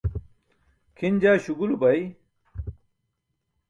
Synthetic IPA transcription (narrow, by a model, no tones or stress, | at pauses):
kʰind͡ʑaːɕuɡulubɐj